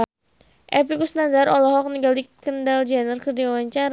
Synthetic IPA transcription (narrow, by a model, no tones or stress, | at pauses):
ʔɛpikusnandaɾɔlɔɦɔk̚niɡalikəndald͡ʒɛnərkərdiawaɲt͡ʃaɾ